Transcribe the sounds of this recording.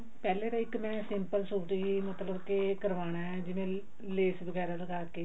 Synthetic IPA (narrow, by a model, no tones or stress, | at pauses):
pɛːleːd̪aːɪkmɛ̃ːsɪmpəlsuːʈiimət̪ləbkɪkəɾʋaːñaːɛːd͡ʒɪʋẽː | leːsbəɡɛːɾaːləɡaːkeː